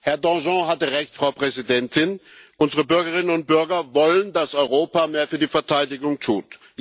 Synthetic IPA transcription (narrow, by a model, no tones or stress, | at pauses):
hɛɐdɑ̃ʒɑ̃ɦatəʁɛçtfʁ̥aʊpʁ̥ɛzidɛntɪnʔʊnzəʁəbʏɐɡəʁ̞ɪnənʊnt̚b̥ʏɐɡɐvɔləndasɔʏʁoːpameːɐfyːɐdiːfɛɐtʰaɪdɪɡʊŋtʰuːt